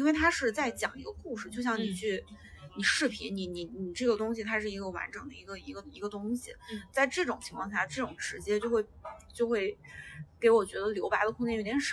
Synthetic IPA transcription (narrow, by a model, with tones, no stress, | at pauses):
i˥nwe˥˩ɪt̪ʰa˥ʂɻ̩˥˧t͡sa˥˩ɪt͡ɕjɑ˨˩ŋḭ˧˥ɡə˧ku˥˧ʂɻ̩˩t͡ɕjo˥˧ʊɕjɑ˥˩ŋni˨˩t͡ɕʰy˥˩ | ni˨˩ʂɻ̩˥˩pʰḭ˧˥ni˨˩˥ni˨˩ni˨˩ʈ͡ʂɤ˥˩ɡə˩t̪ʊ˥ŋɕi˨t̪ʰa˥ʂɻ̩˥˩i˧˥ɡə˧wa̰˧˥nʈ͡ʂɤ˨˩ŋd̪ə̰˦i˧˥ɡə˧i˧˥ɡə˧i˧˥ɡə˧t̪ʊ˥ŋɕḭ˨˩t͡sa˥˧ɪʈ͡ʂɤ˥˩ʈ͡ʂʊ˨˩ŋt͡ɕʰi˧˥ŋʰkʰɑ˥˧ŋ˥ɕja˥˩ʈ͡ʂɤ˥˩ʈ͡ʂʊ˨˩ŋʈ͡ʂɻ̩˧˥t͡ɕjɛ˥t͡ɕjo˥˧ʊxwe˥˩ɪt͡ɕjo˥˧ʊxwe˥˩ɪke˧˥ɪwɔ˨˩t͡ɕɥɛ˧˥d̪ə˧ljo˧˥ʊpa˧˥d̪ə˧kʰʊ˥˧t͡ɕɛ˥˧j̪jʲɛ˧˦ʂ